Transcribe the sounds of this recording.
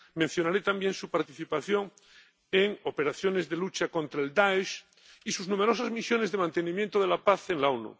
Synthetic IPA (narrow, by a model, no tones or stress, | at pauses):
mẽn̟θjonaɾet̪ambjẽ̞nsupaɾt̪iθipaθjo̞ŋ | eŋo̞pe̞ɾaθjo̞ne̞zðelut͡ʃakõ̞nt̪ɾaeld̪aeʃ | isuznume̞ɾo̞sazmisjo̞ne̞zðe̞mãnt̪e̞nĩmjent̪oð̞e̞lapaθe̞ŋlaonṵ